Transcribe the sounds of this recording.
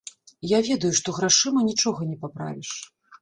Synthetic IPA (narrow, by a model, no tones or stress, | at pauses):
javʲɛd̪ɐjuʂt̪ɔɣɾaʂɨmɐnʲit͡ʂɔɣɐnʲɛpapɾa̰vʲiʂ